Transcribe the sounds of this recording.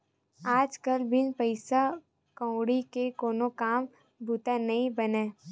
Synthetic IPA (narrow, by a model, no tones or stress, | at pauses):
aːd͡ʒkəlbɪnpəɪsa | kɔ̃ʊɽikekoːnokaːm | bʱut̪anɐɦĩbɐneː